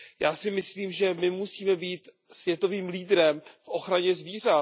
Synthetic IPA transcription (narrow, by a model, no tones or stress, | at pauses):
jaːsɪmɪsliːmʒɛmɪmusiːmɛbiːt̪ | svjɛt̪o̞viːmliːd̪ɾɛmfʔo̞xɾaɲɛzviːr̝a